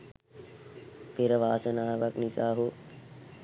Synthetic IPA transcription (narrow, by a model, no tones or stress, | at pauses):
pʰɪɾʋaːsənaːʋɐknisaːɦoː